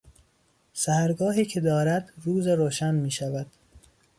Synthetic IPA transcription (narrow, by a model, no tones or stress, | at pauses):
sæhæɾɡɒːɦiːcʰe̞d̪ɒːɾæd̪ruːzeɾoːʃænmiːʃævæd̪̥